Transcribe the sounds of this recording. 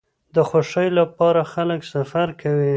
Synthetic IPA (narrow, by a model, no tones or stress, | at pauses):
d̪əxoʃəjlapɑɾaxaləksafaɾkʰawi